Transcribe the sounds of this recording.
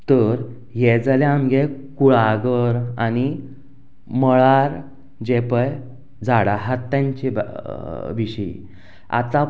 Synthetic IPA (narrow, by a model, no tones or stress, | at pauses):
t̪əɾ | jɛd͡zalaamɡekuɭaɡəɾani | məɭaɾ | d͡ʑepəj | d͡zaɽaɦat̪ːãɲt͡ɕi | ʋiɕəḭ | a̰t̪a